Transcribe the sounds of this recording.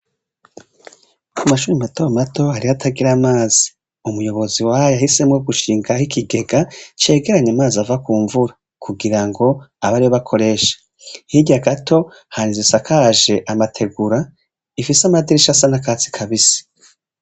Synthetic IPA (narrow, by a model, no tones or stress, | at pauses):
amaʃuːɾimatoɾomato̞haɾihatʰaɡiɾamaːzi̥ | umujo̞βo̞ziwajahise̞mŋoɡuʃiːŋɡahikiɡe̞ɡat͡ʃe̞ːɡe̞ɾaɲamaːziavakuːɱvuɾa | kʰuɡiɾaŋɡo̞aβaɾijo̞βakʰo̞ɾe̞ʃḁ | hiɟaɡatʰo̞ | haɾizisakʰaʒe̞ʔamatʰe̞ɡuɾa | ifisamadiɾiʃasanakaːt͡si̥kʰaβisi̥